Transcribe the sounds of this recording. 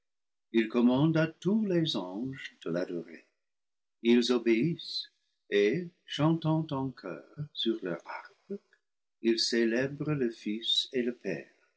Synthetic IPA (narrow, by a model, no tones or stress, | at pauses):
ilkɔmɑ̃datulezɑ̃ʒəd̥əladɔʁḛ | ilzobeis | eʃɑ̃t̪ɑ̃t̪ɑ̃kʰœ̰ːʁsyʁlœ̰ʁa̰ʁb | ilselɛbʁələfiseləpɛ̰ːʁ